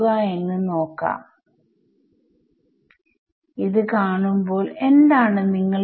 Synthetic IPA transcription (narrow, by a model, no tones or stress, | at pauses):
ɣɐe̞nːɨno̞ːkːa̰ː | iðɨkaːɳumbo̞ːle̞nd̪aːɳɨniŋːɐɭ